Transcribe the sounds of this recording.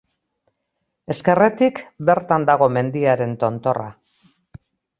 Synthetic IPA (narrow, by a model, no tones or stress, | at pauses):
e̞ske̞re̞t̪ikbe̞ɾt̪and̪aɣ̞o̞me̞nd̪iaɾe̞nt̪o̞nt̪o̞ra